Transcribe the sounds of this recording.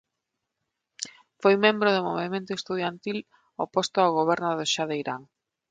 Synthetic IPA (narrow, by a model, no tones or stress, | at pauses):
fojmẽmbɾʊðʊmo̰βemẽnt̪ʊest̪uð̞jant̪il | opost̪ʊawɣ̞oβ̞ɛɾnʊðoʃaðejɾa̰ŋ